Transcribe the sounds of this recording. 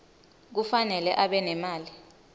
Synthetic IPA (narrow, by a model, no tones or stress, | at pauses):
k̬ufanɛlɛʔaɓɛnɛmaːli